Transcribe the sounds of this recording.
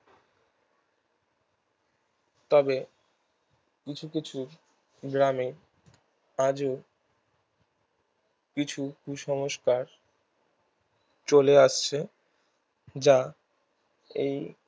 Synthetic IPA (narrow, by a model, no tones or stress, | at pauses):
t̪ɔbe | kit͡ɕʰukit͡ɕʰu | ɡɾami | ad͡ʑo | kit͡ɕʰukuʃɔŋoʃkaɾ | t͡ɕoleaʃt͡ɕʰe | d͡ʑa | ḛj